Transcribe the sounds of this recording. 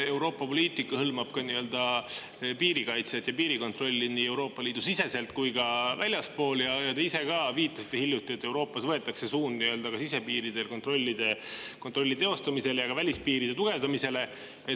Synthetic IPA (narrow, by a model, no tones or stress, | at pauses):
e̞wɾo̞ːpːˑɑpo̞lʲiːt̪ˑikːˑɑhɤlmɑb̥kɑniø̞ld̪̥ɑ | piːɾikɑjt̪set̪ːjɑpiːɾiko̞nt̪ro̞lʲːiniːe̞wɾo̞ːpːˑɑlʲiːd̪usise̞se̞lt̪̚kujkɑvælʲjɑspo̞ːljɑjɑt̪eise̞kɑviːt̪ːˑɑsi̥t̪ːehiljut̪ːˑie̞t̪ːe̞wɾo̞ːpˑːɑsvɤe̞t̪ːˑɑkse̞suːnniø̞ld̪ɑkɑsise̞piːɾid̪e̞lko̞nt̪ro̞lʲːid̪̥e̞kot̪ɾo̞lʲːit̪e̞o̞st̪ɑmise̞lejɑkɑvælʲispiːɾid̪et̪uɡ̥e̞vd̪ɑmise̞le̞ | e